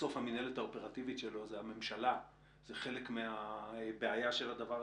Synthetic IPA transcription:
o̞fhaminelethaope̞ʁativitʃe̞lo̞zeame̞mʃala | zeχe̞lekmeabeajaʃe̞ladavaʁ

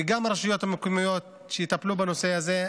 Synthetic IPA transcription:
ɡamaɾeʃujo̞t̪hamekujmojo̞t̪̚ | ʃejit̪aplubeno̞se̞aze̞

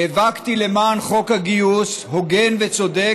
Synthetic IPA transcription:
evakt̪ilemaːnχo̞khaɡiushoɡenvet͡sod̪e

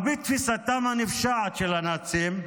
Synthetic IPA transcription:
bit̪fisat̪amhanifʃaʕat̪ʃelanat͡sim

